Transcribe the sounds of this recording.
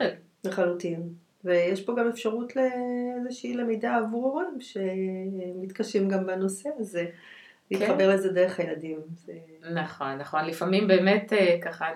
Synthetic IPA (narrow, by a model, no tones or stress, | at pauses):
leχalutim | vejeʃpo̞ɡamefʃaʁutleezeʃiːlemejdaːvuʁoʁamʃe̞mit̪kaʃimɡambano̞se̞aze | liχabe̞ʁleze̞deʁeχajladimz̥e | naχo̞nːaχo̞nlifamimbeːmetekaχa